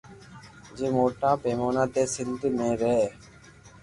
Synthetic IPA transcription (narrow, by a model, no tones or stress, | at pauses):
d͡ʒeːmoːʈaːpeːmoːnãːt̪eːsɪnd̪mẽːɾeː